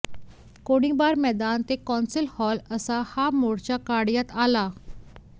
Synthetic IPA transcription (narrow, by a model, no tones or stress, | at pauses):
koɽ̃iːbaɾmɛd̪ant̪ekɔnsilhɔləsahamoɽt͡ɕjakaɽjat̪ala